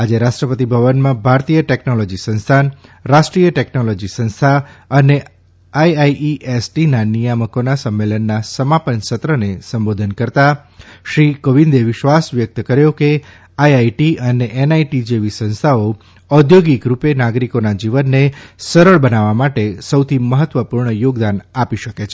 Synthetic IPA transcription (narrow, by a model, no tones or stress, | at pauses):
ad͡ʒeɾaʃʈɾəpət̪ibʱəʋənmãbʱaɾt̪ijəʈɛknolod͡ʒisə̃ñst̪ʰanɾaʃʈɾijəʈɛknolɔd͡ʒisə̃ñst̪ʰaəne | ajaiʔiʔesʈinanijaməkonasəmːelənːasəmapənsət̪ɾənesəmbod̪ʱənkəɾt̪a | ʃɾikoʋind̪eʋɪʃʋasʋjək̚t̪əkəɾjoke | ajaiʈiəneʔenaiʈid͡ʒeʋisə̃ñst̪ʰao | ɔd̪ʱjoɡikɾupenaɡɾikonad͡ʒiʋənːesəɾəɭbənaʋamaʈesəwt̪ʰiməɦət̪ʋəpuɾɳəjoɡd̪anapiʃəket͡ʃʰe